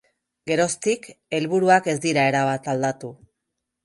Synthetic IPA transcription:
ɡe̞ɾo̞st̪ike̞lβuɾuake̞zd̪iɾae̞ɾaβ̞at̪ald̪at̪u

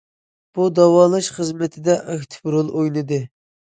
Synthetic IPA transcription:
b̥ud̪ɑwɑːlˠɑʃχəzmɪt̪ʰɪd̪ɛʔɑkt̪ʰɪ̥pɾolˠojnɨd̪ɨ

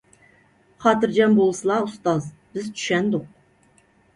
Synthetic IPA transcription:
χɑt̪ɨɾd͡ʒɑmbolˠsɨlˠɑʊst̪ɑz | bɪzt̪ʰy̥ʃɛnd̪ʊq̚

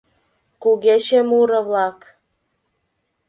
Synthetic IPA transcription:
kuɣeʃemuɾə̆βlɑk

